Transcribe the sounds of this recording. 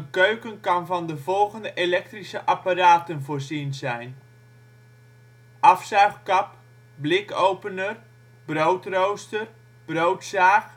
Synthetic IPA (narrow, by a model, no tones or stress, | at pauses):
ənkøɥkənkɑnvɑndəvɔlˠɣəndəʔelɛk̚trisəʔaparaːtənvoːrzinzɛjn | ʔɑfsœɥχkɑp | blɪkowpənər | browtrowstər | b̥rowtsaːx